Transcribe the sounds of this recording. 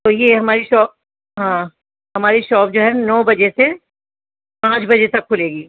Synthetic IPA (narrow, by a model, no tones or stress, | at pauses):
t̪ojeɦɐmaːɾiʃɔːp̚ | ɦãː | ɦɐmaːɾiʃɔːp̚d͡ʒoːɦɛːnɔːbɐd͡ʒese | pãːt͡ʃbɐd͡ʒet̪ɐkʰːʊleːɡiː